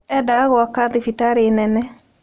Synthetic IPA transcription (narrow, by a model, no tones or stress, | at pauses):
ɛdaɣwakaðifitaɾenɛnɛ